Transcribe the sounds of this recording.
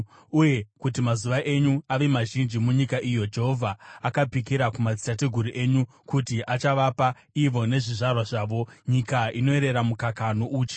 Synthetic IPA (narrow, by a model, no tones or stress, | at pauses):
uje̞kut̬imazuʋaʔe̞ɲuaʋe̞maʒind͡ʒimuɲikaʔijo̞d͡ʒe̞ɦo̞vʱaːkapikiɾakumad͡zi̥tateɡʱuɾiʔe̞ɲu | kutiʔat͡ʃaʋapa | iʋo̞ne̞ʐiʐarwaʐaːʋo̞ɲikaino̞e̞ɾe̞ɾamukakanoʔuːt͡ʃe̥